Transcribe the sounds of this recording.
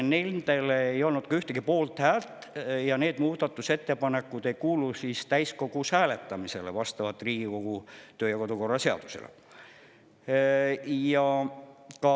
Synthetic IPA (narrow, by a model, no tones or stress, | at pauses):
nelʲt̪e̞leejo̞lnud̪̥̚kɑyht̪ekipo̞ːlt̪hæːlt̪ˑjɑne̞ːd̪̥muːd̪ɑt̪ːˑuse̞t̪ːe̞pɑne̞kːˑud̪̥e̞jkuːlusist̪æjsko̞ɡ̥usæːle̞t̪ːˑɑmise̞̰levɑst̪ɑvɑt̪ːˑriːɡ̥iko̞ɡ̥ut̪øːjɑko̞d̪uko̞rːɑse̞ɑ̰d̪̥usḛlḛ | jɑ | kɑ